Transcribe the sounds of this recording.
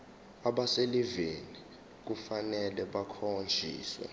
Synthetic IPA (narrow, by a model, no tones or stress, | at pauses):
aɓaseliveni | k̬ufanɛlɛɓakʰond͡ʒʱḭːswɛ̰